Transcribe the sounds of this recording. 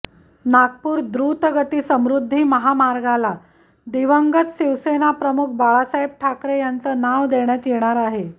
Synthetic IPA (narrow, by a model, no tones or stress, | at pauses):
naɡ̚puːɾd̪ɾut̪əɡət̪iːsəmɾud̪ʱːiːməɦamaɾɡala | d̪iʋəŋɡət̪ɕiʋsenapɾəmuk̚ʰbaɭasaib̚ʈʰakɾejant͡sənaʋd̪eɳ̃jat̪jeɽ̃aɾaɦe